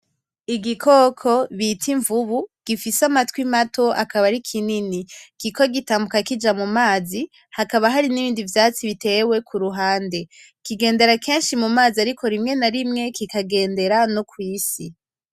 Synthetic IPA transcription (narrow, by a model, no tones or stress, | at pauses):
iɡikʰo̞kʰo̞βitʰiɱvuβuɡ̥ifisamatwimatʰo̞ʔakaβaɾikʰininiɡ̥ikʰo̞ɡitaːmbukakid͡ʒamumaːzi | hakaβaɦaɾiniβiːndivjaːt͡siβite̞we̞kʰuɾuɦaːnde̞ | kiɡe̞ːnde̞ɾakʰe̞ːnʃimumaːziaɾiko̞ɾimŋe̞naɾimŋe̞kikaɡe̞ːnde̞ɾanokwiːsi